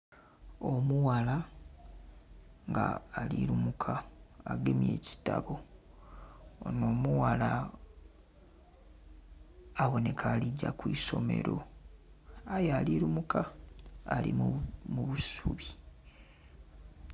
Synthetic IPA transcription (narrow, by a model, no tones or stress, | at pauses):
omuwala | ŋɡa̰ːliɾumukʰaːɡemje̞ːci̥taβo̞ | ono̞ːmuwala | βo̞ne̞kʰaːliɟːakwiːso̞me̞̰ɾo̞ | ajaːliɾumukaː | lḭmmuβusuβi